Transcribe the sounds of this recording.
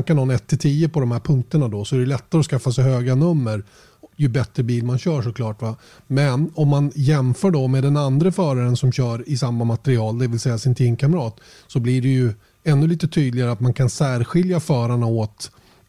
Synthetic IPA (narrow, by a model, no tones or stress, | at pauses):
nkanhɑːnɛt̪ʰːɪlt̪ʰiːəpɔd̪ɔmhæːɾpʰɵŋk̚t̪əɳad̪ɔsɔæɖɛlɛt̪ːaɾəɔskafːasɛjhøːɡanɵmːəɾ | jɵbɛt̪ɾəbiːlmanɕœːʂɔkʰlɑːʈva | mɛnɔmːanjɛmfœːɖɔmeːd̪ɛnand̪ɾəfœːɾaɾənsɔmɕœːɾɪsamːamat̪ɛɾɪɑːld̪ɛvɪlsɛjːasɪnt̪ʰiːmkʰamɾɑːt̪ | sɔblɪɖɛjɵ | ɛnːɵliːt̪ət̪ʰyːd̪lɪɡaɾəat̪mankʰansæːɾɧɪljafœːɾaɳaɔt̪